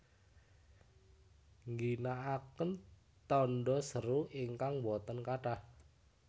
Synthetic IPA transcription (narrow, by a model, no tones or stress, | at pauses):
ŋɡinaʔakən | t̪ɔnɖɔsəɾuiŋkaŋwɔt̪ɔnkaʈah